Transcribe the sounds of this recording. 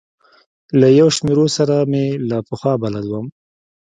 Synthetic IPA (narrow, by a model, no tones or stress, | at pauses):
lajawʃmeɾosaɾamelapəxwɑbalad̪wəm